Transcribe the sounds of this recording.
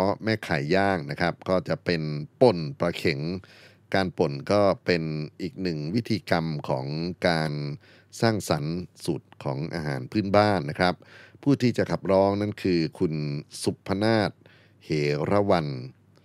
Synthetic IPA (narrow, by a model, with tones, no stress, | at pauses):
ɔ˦˥mɛː˥˩kʰa˨˩˦jːaː˥˩ŋna˦˥kʰɾa˦˥p̚kɔː˥˩t͡ɕa˨˩ʔpe˧npo˨˩npɾa˧kʰe˩˦ŋ | kaː˧npo˨˩nkɔː˥˩pe˧nʔiː˨˩k̚nɯ˨˩ŋwi˦˥t̪ʰiː˧ka˧mkʰɔː˩˦ŋkaː˧n | saː˥˩ŋsa˩˦nsu˨˩t̪̚kʰɔː˩˦ŋʔa̰ː˧ɦaː˩˦npʰɯː˥˩˨nbaː˥˩nːa˦˥kʰɾa˦˥p̚ʰːuː˥˩t̪ʰiː˥˩t͡ɕa˨˩kʰa˨˩p̚ɾɔː˦˥ŋna˥˩nkʰɯː˧kʰu˧nsu˨˩pʰːa˧naː˥˩t̪̚ | heː˩˦ɾa˦˧˥wa˧n